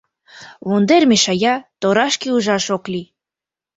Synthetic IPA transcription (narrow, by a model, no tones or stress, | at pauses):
βond̪ermeʃɑjɑt̪oɾɑʃkiuʒɑʃokli